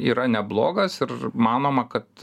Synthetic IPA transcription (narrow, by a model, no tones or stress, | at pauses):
iːɾɐnʲɛblˠoːɡɐsɪrmɑːnoːmɐkɐt̪